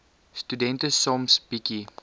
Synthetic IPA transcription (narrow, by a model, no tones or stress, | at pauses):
studɛ̃ntəsɔmsb̥iki